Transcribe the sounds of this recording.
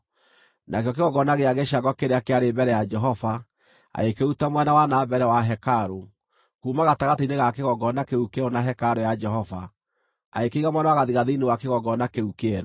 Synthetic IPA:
nʔakjɔk̬eɣɔɡɔnaɣeaɣeʃaɡɔkeɾeakeaɾebɛɾɛjad͡ʒɛɦɔva | a̰ekeutamwɛnawanaːbɛɾɛwaɦɛkaɾo | kuːmaɣataɣateineɣakeɣɔɡɔnakeukɛɾonaɦɛkaɾojad͡ʒɛɦɔva | aekeiɣamwɛnawaɣaðiɣaðiinewakeɣɔɡɔnakeukeɛɾɔ

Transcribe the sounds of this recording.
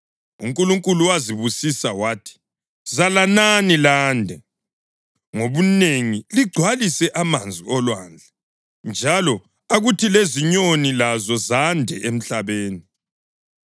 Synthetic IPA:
ṵŋkʼuluŋkʼuluwaziβusisawaːtʰi̥ | zalananilaːndʱɛ | ŋoβuneŋiliɡ͡ǀʱwalisɛʔamand͡zʱiɔlwaːnd͡ɮʱɛ | nd͡ʒʱalɔ | aɣutʰileziɲonilazɔzandʱɛʔem̩ɬaβeːni

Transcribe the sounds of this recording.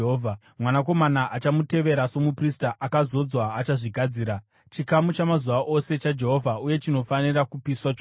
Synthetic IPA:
oːvʱa | mwanak̬o̞manaʔat͡ʃamute̞ʋe̞ɾaso̞mupristaʔakazo̞d͡zwaːt͡ʃaʐiɡʱad͡ziːɾa | t͡ʃikamut͡ʃamazuʋaʔo̞se̞t͡ʃad͡ʒe̞ɦo̞vʱauje̞t͡ʃino̞fanirakupiswat͡ʃo

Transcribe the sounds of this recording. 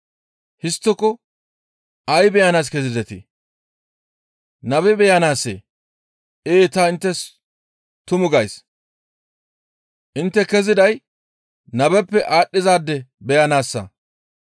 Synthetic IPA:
hɪst̪ːɔkːɔ | ɐjbɛjanaːs̬kɛzɪzɛt̪ɪ̰ | nɐbɛbɛjanaːsːḛː | ʔeːt̪ɐɪnt̪ːɛs | t̪ʊmʊɡɐjs | ʔɪnt̪ːɛkɛzɪd̪ɐj | nɐbɛpːɛʔaːɗːɪzaːd̪ːɛbɛjɐnaːsːɐ̰

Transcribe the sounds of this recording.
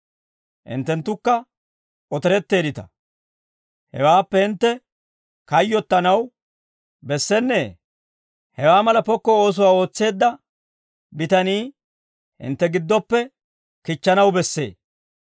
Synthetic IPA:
ʔɪ̰nt̪ːɛnt̪ːʊkːɐ | ɔt̪ɛɾɛt̪ːe̞ːd̪ɪt̪ɐ̥̰ | hɛ̰waːpːɛhɪnt̪ːɛ | kɐjːɔt̪ːɐnɐw | bɛsːɛnːeː | hɛwaːmɐlɐpɔkːɔo̞ːs̬ʊwaːo̞ːt͡sːe̞ːd̪ːɐ | bɪt̪ɐniː | hɪ̰nt̪ːɛɡɪd̪ːɔpːɛ | kɪt͡ʃːɐnɐwbɛsːe̞̰ː

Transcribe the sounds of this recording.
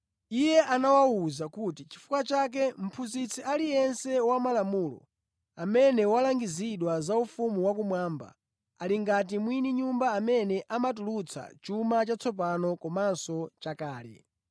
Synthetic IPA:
ijɛʔanawawuzakutit͡ʃi̥fu̥kwat͡ʃak̬ɛm̩pʰuzit͡sʰiʔalijɛnsɛwamalamuːlɔ̰ | amɛnɛwalaŋɡiziɗwazaufumuwak̬umwaːmba̰ | a̰liŋɡat̬imwiniɲumbaːmɛnɛʔamatulut͡sʰa̰t͡ʃumat͡ʃat͡sʰɔp̬anɔkɔmansɔt͡ʃakaːlɛ̰

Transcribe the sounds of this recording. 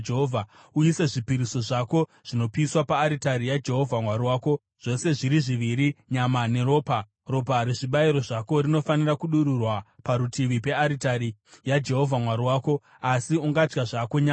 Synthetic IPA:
eɦovʱa | ujise̞ʐipiɾiso̞ʐako̞ | ʐ̥ino̞piːswapaːɾitaɾijad͡ʒe̞ɦo̞vʱamwaɾiwaːko̞ | ʐ̥o̞se̞ʐiɾiʐiʋiɾiɲamane̞ɾo̞ːpa | ro̞paɾeʐiɓaiɾo̞ʐako̞rino̞fanirakuɗuɾurwapaɾutʰiʋipe̞aɾitaɾijad͡ʒe̞ɦo̞vʱamwaɾiwaːko̞ | asiuŋɡad͡ʒɡaʐakoɲa

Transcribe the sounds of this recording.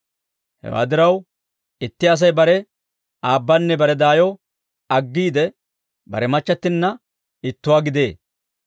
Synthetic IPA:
hɛ̰wa̰ːd̪ɪɾɐw | ɪt̪ːɪɐs̬ɐjbɐɾɛ | aːbːanːɛbɐɾɛd̪aːjɔ | ɐɡːiːd̪ɛ | bɐ̰ɾɛmɐt͡ʃːɐt̪ːɪnːɐ | ɪt̪ːʊwaːɡɪd̪e̞ː

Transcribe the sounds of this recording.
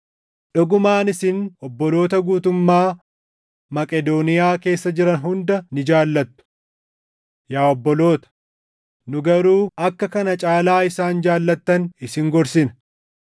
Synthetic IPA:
ᶑɔɡʊmaːnɪsɪnɔbːɔlo̞ːt̪ɐɡuːt̪ʊmːaː | mɐkʼɛd̪oːnɪjaːke̞ːsːɐd͡ʒɪɾɐnɦʊnd̪ɐnɪd͡ʒaːlːɐt̪ːʊ̥ | jaːɔbːɔlo̞ːt̪ɐ̥ | nʊɡɐɾuːɐkːɐkɐnɐt͡ʃʼaːlaːɪsaːnd͡ʒaːlːɐt̪ːɐnɪsɪŋɡɔɾsɪnɐ̥

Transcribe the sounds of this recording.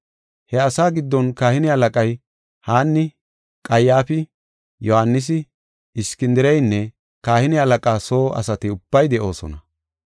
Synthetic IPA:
hɛɐsaːɡɪd̪ːɔnkaːhɪnɪɐlɐkʼɐj | haːnːɪ | kʼɐjaːfɪ | jɔhanːɪs̬ɪ | ɪskɪnd̪ɪɾɛjnːɛ | kaːhɪnɪɐlɐkʼaːso̞ːʔɐ̰sɐt̪ɪʊb̥ːɐjd̪ɛʔo̞ːsɔ̰nɐ

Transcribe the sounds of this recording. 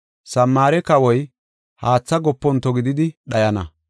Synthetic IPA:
sɐmːaːɾɛkɐwɔj | haːt͡sːɐɡɔpːɔnt̪ɔɡɪd̪ɪd̪ɪɗɐjɐnɐ̰

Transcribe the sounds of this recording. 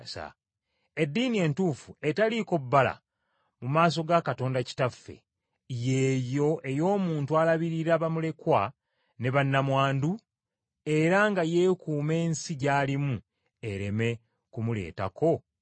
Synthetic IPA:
sa̰ | e̞dːiːnie̞ntuːfue̞taliko̞bːala̰ | mumaːs̬o̞ɡakato̞ːndaci̥tafːḛ | je̞ːjo̞ʔe̞jo̞ːmuːntualaβiɾiɾaβamule̞kwa | ne̞βanːamwaːndu | e̞ɾaŋɡaje̞ːkuːme̞ːnsiɟaːlimu | e̞ɾe̞me̞ | kumule̞̰ːta̰kʰo̞

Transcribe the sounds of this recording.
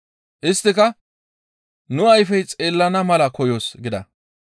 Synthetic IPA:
ʔɪst̪ːɪkɐ | nʊɐjfɛjt͡sʼe̞ːlːɐnɐmɐlɐkɔjo̞ːsɡɪd̪ɐ̰

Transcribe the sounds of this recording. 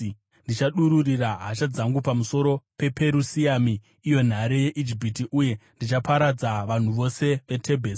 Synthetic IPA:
ndit͡ʃaɗuɾuriraɦat͡ʃad͡zaŋɡupamuso̞ɾo̞pe̞pe̞ɾusiaːmiː | jo̞n̤aɾe̞je̞ʔid͡ʒipitiʔuje̞ndit͡ʃapaɾad͡zaʋan̤uʋo̞se̞ʋe̞tʰe̞bʱeːsi̥

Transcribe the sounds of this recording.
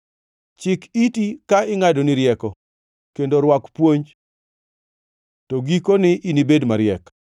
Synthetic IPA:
t͡ʃɪkitikaɪŋadonɪɾjɛkɔ | kendoɾwakpwoɲd͡ʒ | toɡikonɪʔinibedmaɾjɛk

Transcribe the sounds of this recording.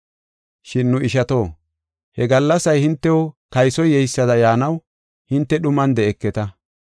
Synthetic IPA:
ʃɪnːʊɪʃɐt̪o̞ː | hɛɡɐlːɐsɐjhɪnt̪ːɛwɔkɐjsɔjːɛjsːɐd̪ɐjaːnɐw | hɪnt̪ːɛɗʊmɐnd̪ɛɛkːɛt̪ɐ

